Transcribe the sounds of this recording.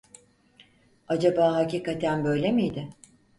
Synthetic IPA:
ad͡ʒabaːɦaciːkat̪ʰænbø̞jlʲemijd̪ɪ

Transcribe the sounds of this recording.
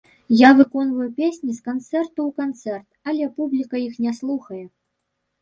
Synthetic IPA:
javɨkɔnvɐjupʲesʲnʲiskant̪sɛrt̪uwkant̪sɛrt̪ɐlʲɛpublʲikɐixnʲɛslˠuxɐjɛ

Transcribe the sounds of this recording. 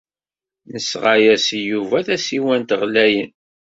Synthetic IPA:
nəsʁajæsjuvæθæsiwænt̪ʁlæjən

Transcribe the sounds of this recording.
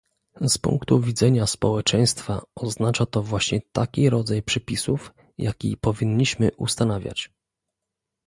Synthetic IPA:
spṵŋkt̪uvʲid̪zɛɲaspɔwɛt͡ʂɛj̃st̪fa̰ɔznat͡ʂat̪ɔvwaɕɲɛt̪akʲiɾɔd̪zajpʂɛpʲisuf | ja̰kʲḭpɔvʲiɲːiɕmɘʔṵst̪anavʲja̰t͡ɕ

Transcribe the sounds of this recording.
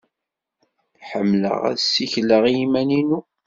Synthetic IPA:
ħəmːlə̰ʁæ̰ðsːiçləʁimæninu

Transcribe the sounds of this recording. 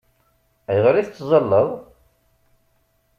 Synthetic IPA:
æjʁɾiθt͡sːzˤɑlːəðˤ

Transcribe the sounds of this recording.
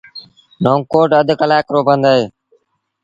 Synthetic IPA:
noːŋkoːʈəd̪ʱkəlaːkɾoːbənd̪aːɦeː

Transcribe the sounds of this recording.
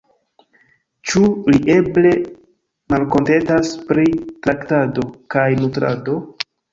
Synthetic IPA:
t͡ʃuliʔe̞ble̞ | malko̞nte̞ntaspɾitɾaktado̞kajnutɾa̰do̞

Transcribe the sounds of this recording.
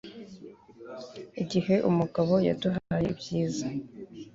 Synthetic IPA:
iɟihe̞ʔumuɡaβo̞ja̰duɦajḛbjiːza

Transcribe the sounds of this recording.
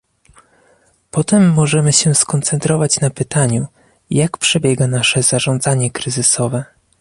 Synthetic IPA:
pɔt̪ɛmːɔʐɛmɘɕɛskɔnt̪sɛnt̪ɾɔvat͡ɕnapɘt̪aɲu | jakpʂɛbʲjɛɡanaʂɛzaʐɔnd̪zaɲɛkɾɘzɘsɔvɛ

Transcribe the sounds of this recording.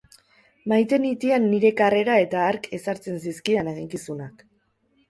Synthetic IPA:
majt̪e̞nit̪ianːiɾe̞kare̞ɾae̞t̪aːɾke̞saɾt͡se̞nsiskianeɣiŋkisunak

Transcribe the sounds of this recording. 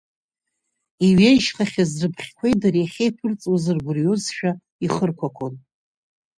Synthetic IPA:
iɥejʃχaχʲazrɨpʰχʲkʷʰejdarjaχʲejpʰɨrt͡sʼozɨrɡʷʊrjozʃᶣa | iχərkʷʰakʷʰon

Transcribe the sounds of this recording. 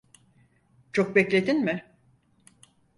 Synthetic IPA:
t͡ʃʰo̞k̚bɛclʲe̞d̪inmɪ

